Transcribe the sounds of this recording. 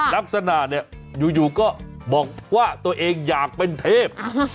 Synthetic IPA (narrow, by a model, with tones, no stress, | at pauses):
ɾa˦˥k̚sa˧na˨˩t̪̚ni˥˩ə | juː˨˩juː˨˩kɔː˥˩bɔː˨˩k̚ʰwaː˥˩t̪u˧ɐʔeː˧ŋjaː˨˩k̚pe˧nt̪ʰeː˥˩p̚